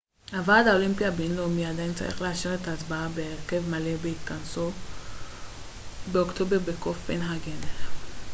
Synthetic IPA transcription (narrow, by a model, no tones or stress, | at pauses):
avad̪aolimpiabenlomiaːd̪ajint͡sa̰ʁḭχleaʃiʁet̪aːtbaabeːʁke̞vmalebeikanso | beokt̪o̞beʁbekofːenɦaɡen